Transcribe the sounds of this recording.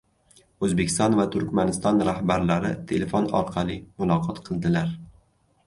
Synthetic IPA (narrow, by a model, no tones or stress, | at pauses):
ɵzbekʲʰɪst̪ɒnvat̪ʰʊɾkʲmanɪst̪ɒnɾahbaɾlaɾɪt̪ʰe̞lefonɒ̰ɾqʰɑlˠimʊlˠɒqʰɒt̪qʰɨlˠd̪ɪlaɾ